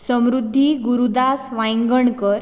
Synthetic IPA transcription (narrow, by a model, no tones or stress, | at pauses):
sə̃mɾud̪ʱːiɡuɾud̪asʋãjŋɡəɳkəɾ